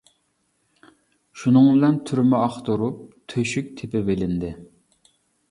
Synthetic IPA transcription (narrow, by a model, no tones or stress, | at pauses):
ʃunɨŋbɪlɛnt̪ʰyɾmɛɑχt̪oɾup̚t̪ʰøʃyk̚ʲt̪ʰepɪbelɪnd̪ɪ